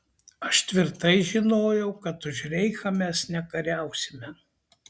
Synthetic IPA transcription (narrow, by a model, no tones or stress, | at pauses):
ɐʃt̪ʲʋʲɪɾt̪ɐɪʒʲɪnoːjɛʊkɐt̪ʊʒɾʲɛɪxɐmʲɛsnʲɛkɐɾʲæˑʊsʲɪmʲɛ